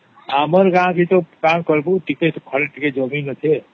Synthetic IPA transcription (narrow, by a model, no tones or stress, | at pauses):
aməɾɡãkit̪ɔkamkəɾbuʈiket̪ɔkʰəɾeʈiked͡ʒəminət̪ʰe